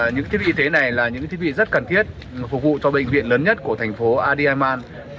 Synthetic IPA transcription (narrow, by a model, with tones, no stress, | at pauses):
ɲɨ̰˧˥ŋt̪ʰi˨˦vḭ˧˨˧t̪e˨˦na˨˩jlaː˨˩ɲɨ̰˧˥ŋt̪ʰi˨˦ɓḭ˧˨zə˦˥t̚kaː˨˩nt̪ʰi˦˥ət̚ | fʊ˨˩k̚vṵ˧˨t͡ɕɔ˧ɓə̰˧˨jŋ̟vḭ˧˨ənləː˨˦nɲə˦˥t̚ku˧˩ət̪ʰɛ˨˩jŋ̟fo˨˦ʔaː˧ɗi˧ʔaː˧jmaː˧n